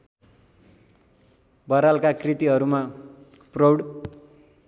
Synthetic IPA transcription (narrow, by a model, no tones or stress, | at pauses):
bʌɾalkakrit̪iɦʌɾuma | prʌwɽ